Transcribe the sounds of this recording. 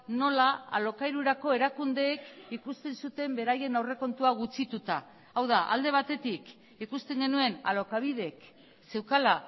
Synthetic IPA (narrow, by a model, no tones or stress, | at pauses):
no̞laa̰lo̞kaiɾuɾako̞e̞ɾakund̪e̞ːkikust̪e̞nsut̪e̞mbe̞ɾaje̞nawre̞ko̞nt̪uaɣ̞ut͡sit̪ut̪a | awðaʔa̰ld̪e̞β̞at̪e̞t̪ik | ikust̪e̞ŋɡe̞nue̞na̰lo̞kaβ̞ið̞e̞k | se̞wkala